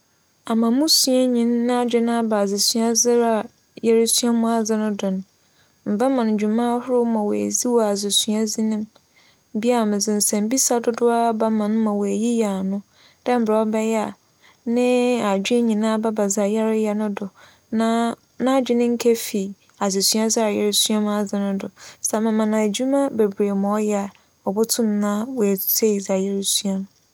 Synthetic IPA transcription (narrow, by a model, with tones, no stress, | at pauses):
a˨mã˨mũ˦su˨a˦ɲĩ˨nːã˦d͡ʑᶣɪ˦nã˦ba˨zɪ˨su˨a˦zɪ˦ɾa˨ | jɛ˦ɾɪ˦su˦a˦mũ˦a˦˨d͡zɪ˦nʊ̃˦dʊ˨ñ˦ | m̩˨ba˦mã˨n˨d͡ʑᶣu˨mã˦hʊ˦ɾʊ˦mã˨wḛ˨zi˦wɔ˦˨a˨zɪ˨su˨a˦zi˦nɪ̃˦m˨ | bi˦a˨mɪ̃˨zɪ˨n̩˨sɛ̃˨m̩˦bi˦sa˨dʊ˦dʊ˦a˦ba˦mã˨n˦mã˨wɔ˨æ˨ji˦ja˨nʊ̃˦ | d̥ɛ̃˦m̩˨bɾa˨ɔ˦bɛ˦jɛ˦a˨ | nɪ̃˦a˨d͡ʑᶣɪ˦e˦ɲĩ˨nã˦˨ba˦ba˨za˨jɛ˦ɾɪ˦jɛ˨nʊ̃˦dʊ˨ | nã˦ | nã˦d͡ʑᶣɪ˦nɪ̃˦ŋ̩˦kʰɛ˦fi˨ | a˨ze˨su˨˦a˦zɪ˦a˨jɛ˦ɾsu˦a˦m˦a˨zɪ˨nʊ̃˦dʊ˨sa˨mã˨mã˨nã˨d͡ʑu˦mã˦be˨bɾe˨mʊ̃˨ɔ˦jɛ˦a˨ | ɔ˨bʊ˦tʰʊ̃˦n˨˦nã˦wɔ˨æ˨sʰe˦˨za˨jɛ˦ɾsu˦a˦m˨